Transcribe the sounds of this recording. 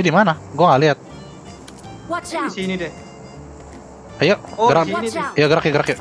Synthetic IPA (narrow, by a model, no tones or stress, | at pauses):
adimanaɡuaŋaliɦat̪̚ | isinidɛ | ajoɡəɾajaɡəɾakjaɡəɾakja